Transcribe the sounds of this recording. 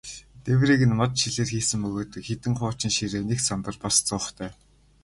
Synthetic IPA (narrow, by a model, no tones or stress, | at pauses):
t̪ewriːɣɘ̆nmɔt̪ʃiɮeːrxiːsɘ̆mpɵɣoːt̪ɘ̆kxet̪ɘ̆ŋχʊːt͡ɕɪ̆nʃiɾeːneksant̪ə̆rpast͡sʊːχt̪ʰæː